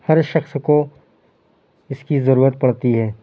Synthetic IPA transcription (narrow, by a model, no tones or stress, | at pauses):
hɐɾʃɐxsko | ɪskizɐɾuːɾət̪̚pɐɽt̪iɦɛː